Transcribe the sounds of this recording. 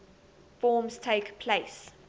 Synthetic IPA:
fɔːmz̥tʰeɪkpʰleɪs

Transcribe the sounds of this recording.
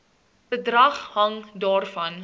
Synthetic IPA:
bədrɐχhɐŋdɑːrfɐn

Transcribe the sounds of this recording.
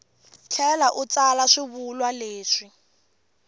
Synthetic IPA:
t͡ɬʰɛlaʔut͡salaʂɪβulwaleːʂi

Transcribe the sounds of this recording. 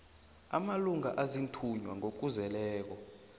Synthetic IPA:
a̰maluŋaʔazintʰuɲwaŋok̬uzɛlɛːk̬ɔ

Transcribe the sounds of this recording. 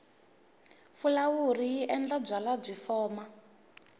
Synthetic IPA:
fulawuriiʔɛnd͡ɮab͡ʐalab͡ʐʷifɔːma

